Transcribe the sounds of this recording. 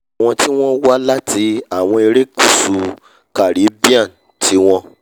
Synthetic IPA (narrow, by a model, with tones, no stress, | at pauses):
w̃ɔ̃˧ti˦w̃ɔ̃˦wa˦la˦tʰi˧a˦˨w̃ɔ̃˧e˧ɾe˦ku˦˨su˨˧ | ka˨ɾi˨˦bi˦ã˦˨n˨ | tʰi˨˦w̃ɔ̃˧